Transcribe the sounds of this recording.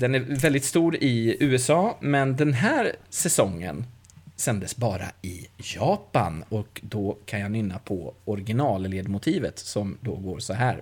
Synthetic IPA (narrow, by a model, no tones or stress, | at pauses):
d̪ɛnævɛld̪ɪt̪st̪uːɾɪʉ̟ːɛsɑːmɛnd̪ɛnɦæːɾsɛsɔŋːə̰n | sɛnd̪əsbɑːɾa̰ɪjɑːpa̰nɔkd̪ɔkʰanjahanʏnːapʰɔ̰ɔɾɡɪnɑːlleːd̪mʊt̪ʰiːvət̪sɔmd̪ɔɡoːɾsɔɦæːɾ